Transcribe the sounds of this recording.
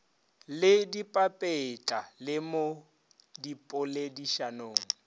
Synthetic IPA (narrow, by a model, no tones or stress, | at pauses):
lɪdipʼapʼet͡ɬʼalɪmo | dipʼʊlediʃanoːŋ̩